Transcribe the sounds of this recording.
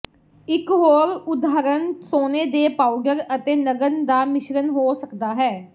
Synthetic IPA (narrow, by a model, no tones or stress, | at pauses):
ɪkɦoːɾʊd̪aːɾənsoːneːd̪eːpaːʊɖəɾət̪eːnəɡənd̪aːmɪʃɾənɦoːsəkd̪aːɦɛː